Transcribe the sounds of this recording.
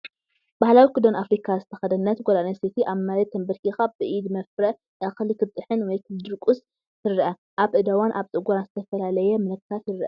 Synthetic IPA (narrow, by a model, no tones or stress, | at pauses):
b̥ahlawikʰɨd̪onafɾikʰazɨt̪ʰɐxɐd̪ɐnːɐt̪ɡʷolanɐset̪ʰiʔaβmaɾɐt̪ʰːɐmbɨɾkʰixabɨʔid̪mɐfɾɐ | ʔaxlikʰɨt̪ʼːɨħɨnwɔjkʰɨd̪ɨɾkʼus | t̪ʰɨɾʔɐ | ʔaβʔɨd̪ɐwanʔaβt͡sʼɨɡuɾanzɨt̪ʰɐfɐlalɐjɛmɨlɐkt̪ʰat̪jɪɾʔɐ̰